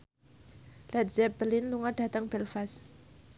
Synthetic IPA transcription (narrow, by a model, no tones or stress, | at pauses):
lat̪̚z̥ɛpb̥əlɪnluŋad̥a̤t̪aŋb̥ɛlfas